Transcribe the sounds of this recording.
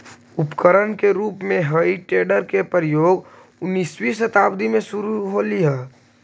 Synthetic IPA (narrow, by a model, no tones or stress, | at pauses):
ʊpkəɾənkeɾuːpmẽɦəiʈeːɖəɾkepɾjoːɡ | ʊnːiːswisət̪aːbd̪imẽsʊɾuɦoliɦɛː